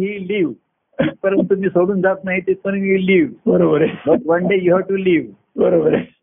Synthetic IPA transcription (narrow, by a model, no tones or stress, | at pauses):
ɦiliːʋ | ipəɾənt̪ːumiːsoɽuːnd͡zat̪naɦit̪et̪̚kəɾmiliːʋbəɾobəɾebəkʋɐnɖejuɦaʋʈuliːʋ | bəɾobəɾe